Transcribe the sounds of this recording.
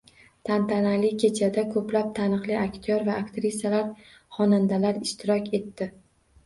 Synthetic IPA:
t̪ʰant̪ʰanalɪkʲʰe̞t͡ʃʰad̪akʰɵplap̚t̪ʰanɨqlɪakʲt̪ʰjoɾvaːkt̪ɾisalaɾ | χɒnand̪alaɾɪʃt̪ʰɪɾɒkʲe̞t̪ːɪ

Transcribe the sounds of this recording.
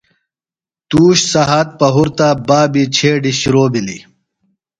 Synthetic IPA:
t̪uːɕsɐɦat̪̚pɐɦuɾt̪abaːbit͡ɕʰeːɖiɕiɾoːbili

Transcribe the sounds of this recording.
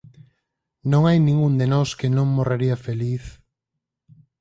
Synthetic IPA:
nõŋajnĩŋɡund̪enɔskenõŋmoraɾiafeliθ

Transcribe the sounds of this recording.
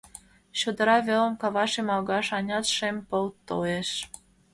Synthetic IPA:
ɕod̪ɤ̆ɾɑβʲelə̆mkɑβɑʃemɑlɣɑʃɑnʲɑt̪ʃempɤlt̪oeʃ

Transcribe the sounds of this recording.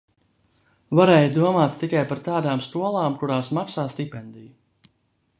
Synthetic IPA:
vaɾɛːjd̪uɔmaːt̪t̪ːikajpaɾt̪aːd̪aːmst̪uɔlˠaːmkuɾaːsmaksaːst̪ipʲɛnd̪iju

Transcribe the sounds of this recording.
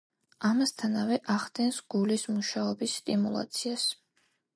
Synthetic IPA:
amast̪ʰanavɛʔaʁd̪ɛnsɡ̥ulismuʃaɔbisːt̪ʼimulˠa̰t̪sʰias

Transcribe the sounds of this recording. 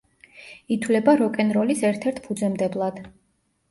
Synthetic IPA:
it̪ʰwlɛbaɾɔkʼɛnɾɔlisɛɾt̪ʰɛɾt̪ʰpʰud̪zɛmd̪ɛblˠad̪̥

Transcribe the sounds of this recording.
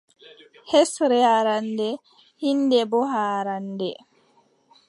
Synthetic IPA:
hesɾɛaɾandɛ | hindɛbɔɦaːɾandɛ

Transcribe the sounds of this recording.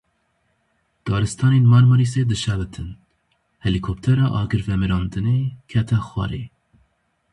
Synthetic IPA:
d̪̥ɑːɾɨst̪ʰɑːneːnmɑːɾmɨɾis̬eːd̪ɨʃɛbɨt̪ʰɨn | hɛlikʰop̚t̪ʰɛɾɑːʔɑːɡɨɾvɛmɨɾɑːnd̪ɨneːkʰɛt̪ʰɛxwɑ̰ɾḛː

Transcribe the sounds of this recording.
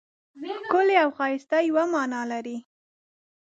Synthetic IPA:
kʊleawxɑɪst̪ajwamɑnɑlaɾi

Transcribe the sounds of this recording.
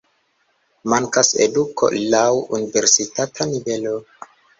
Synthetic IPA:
maŋkasḛduko̰lawuniveɾsitatʰanivelo

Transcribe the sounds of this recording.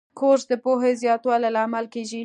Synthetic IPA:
kʰoɾsd̪əpoɦezjɑt̪wɑlalaːmalkeʒi

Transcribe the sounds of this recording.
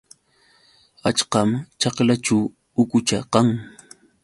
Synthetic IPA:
at͡ʃqɑmt͡ʃɑqlat͡ʃaw | ʊkʊt͡ʃaqɑŋ

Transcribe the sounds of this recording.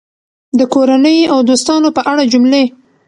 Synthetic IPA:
d̪əkoɾanəjawd̪ost̪ɑnopəʔaɽad͡ʒʊmle

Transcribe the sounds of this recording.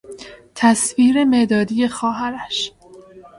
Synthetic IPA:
t̪ʰæsviːɾe̞me̞ʔd̪ɒːd̪ije̞xɒːɦæɾæʃ

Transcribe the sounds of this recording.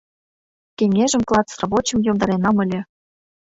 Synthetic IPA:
kʲeŋʲeʒə̆mklˠɑt͡srɑbot͡ɕɤ̆mjomd̪ɑɾenɑmə̆lʲĕ

